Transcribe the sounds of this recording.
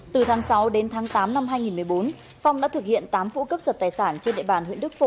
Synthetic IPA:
t̪ɨ˨˩t̪ʰaː˨˦ŋsa˨˦wɗe˨˦nt̪ʰaː˨˦ŋt̪aː˨˦mna˧mɦaː˧jŋi˨˩nmɨ˨˩əjo˨˦n | fa˧wŋ͡mɗa̰ː˧˥t̪ʰɨ˨˩k̚hḭ˧˨ənt̪aː˨˦mfṵ˧˥kə˦˥p̚zəː˨˩t̚t̪aː˨˩jsaː˧˩nt͡ɕe˧nɗḛ˧˨ɓaː˨˩nhwḭ˧˨ənɗɨ˦˥k̚fo˧˩

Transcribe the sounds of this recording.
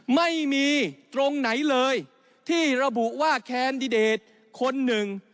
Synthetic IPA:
ma˥˩jmiː˧t̪ɾo˧ŋna˩˦jlɤː˧j | t̪ʰiː˥˩ɾa˧bu˨˩ʔwaː˥˩kʰɛː˧ndi˧deː˨˩t̪̚ | kʰo˧nːɯ˨˩ŋ

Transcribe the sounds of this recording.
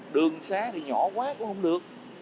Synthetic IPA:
ɗɨ˨˩əŋsaː˨˦ɗe˨˩ɲɔ˧˩˦kwaː˦ku˧˥˦hə̰˧˦wŋ͡mɗɨ˨˩ək̚

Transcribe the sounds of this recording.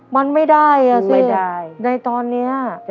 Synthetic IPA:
ma˧nma˥˩jda˥˩ja˧sa˥˩na˧jt̪ɔː˧nːi˦˥ɐ

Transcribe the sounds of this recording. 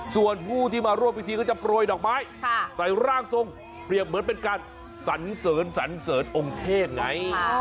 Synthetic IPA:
su˨˩ənpʰuː˥˩t̪ʰiː˥˩maː˧ɾu˥˩əmpːwi˦˥t̪ʰiː˧kɔː˥˩t͡ɕa˨˩pɾoː˧jdɔː˨˩k̚maː˦˥jʰsa˩˦jɾaː˥˩ŋso˧ŋ | pɾi˨˩əp̚mɯ˩˦ənp̬e˧nkaː˧n | sa˩˦nsɤː˩˦nsa˩˦nsɤː˨˩˦nʔo˧ŋt̪ʰeː˥˩t̪̚ŋa˦˥j

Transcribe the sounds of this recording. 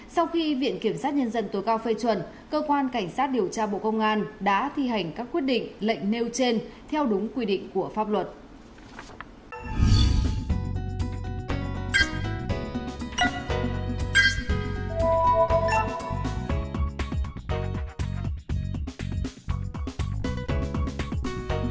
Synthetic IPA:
sa˧wxi˧vḭ˧˨ənki˧˩əmsaː˦˥t̚ɲə˧nzə˧nt̪o˨˦jkaː˧wfe˧t͡ɕwə˨˩n | kəː˧kwaː˧nka˧˩jŋ̟saː˦˥t̚ɗi˨˩əwt͡ɕaː˧ɓo̰˧˨kə˧wŋ͡mʔaː˧nɗa̰ː˧˥t̪ʰi˧ha˨˩jŋ̟kaː˦˥kːwi˦˥ət̚ɗḭ˧˨ŋ̟lə̰˧˨jŋ̟ne˧wt͡ɕe˧nt̪ʰɛ˧wɗʊ˨˦ŋ͡mkwi˧ɗḭ˧˨ŋ̟ku˧˩əfaː˦˥p̚lwə˨˩t̚

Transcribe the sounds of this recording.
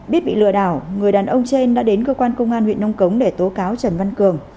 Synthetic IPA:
ɓi˦˥ət̚ɓḭ˧˨lɨ̰˧˨əɗaː˧˩wŋɨ˨˩əjɗaː˨˩nʔə˧wŋ͡mt͡ɕe˧nɗa̰ː˧˥ɗe˨˦nkəː˧kwaː˧nkə˧wŋ͡mʔaː˧nhwḭ˧˨ənːə˧wŋ͡mkə˨˦wŋ͡mɗe˧˩t̪o˨˦kaː˨˦wt͡ɕə˨˩nva˧nkɨ˨˩əŋ

